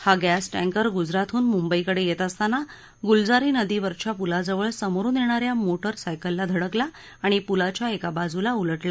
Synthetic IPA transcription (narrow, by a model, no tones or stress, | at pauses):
haɡæsʈæ̃ŋkəɾɡud͡zɾat̪ʰuːnmumbəikəɽejet̪əst̪ana | ɡuld͡zaɾiːnəd̪iʋəɾt͡ɕjapulad͡zəʋəɭsəmɾuːnjeɽ̃aɾjamoʈəɾsajkəlːad̪ʱəɽəklaː | ɽ̃ipulat͡ɕjaekabad͡zulauləʈla